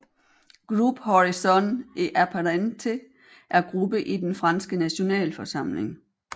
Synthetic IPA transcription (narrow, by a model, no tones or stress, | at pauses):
ɡ̥ʁub̥hɒʁisɒneʔæpʰæʁænt͡sʰe | ʔæɐɡ̥ʁub̥əʔid̥enfʁɑ̈nsɡ̥ənæɕo̝nɛ̰ːlfɒ̽sɑ̈m̰le̝ŋ